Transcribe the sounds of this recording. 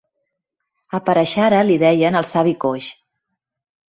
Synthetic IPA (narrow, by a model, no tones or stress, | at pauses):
əpəɾəʃaɾəliðɛjənəlˠsaβikoʃ